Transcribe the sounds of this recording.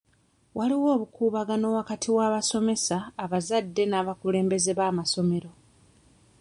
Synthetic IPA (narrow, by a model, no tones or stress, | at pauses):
waliwo̞ːβukuːβaɡano̞ːwakatʰiwaːβaso̞me̞saːβazadːe̞naːβakule̞ːmbe̞ze̞βaːmaso̞me̞ɾo̞